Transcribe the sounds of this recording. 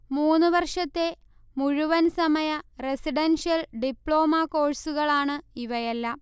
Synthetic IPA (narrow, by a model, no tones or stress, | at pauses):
muːnːuʋɐrʂɐt̪ːe̞ | muɻuʋɐnsɐmɐjɐresiɖɐnʂijɐlɖipɭo̞ːmako̞ːɻsuɣɐɭaːɳɨiʋɐjɐlːɐ